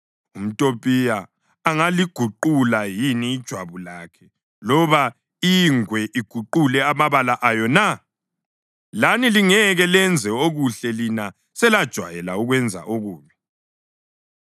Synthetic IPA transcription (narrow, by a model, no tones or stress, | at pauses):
um̩tʼopʼija | aŋaliɡ̥ʱuǃulajiniːd̥ʒ̥ʱwaβulaːkʰɛ | lɔβa | iŋwɛʔiɡ̥ʱuǃulɛamaβalaʔajɔna | laniliŋɛɣɛlɛnd͡zʱɛoɣuɬɛlina | sɛlad̥ʒ̥ʱwa̰jɛlauɣwɛnd͡zʱa̰ʔoɣuːβɛ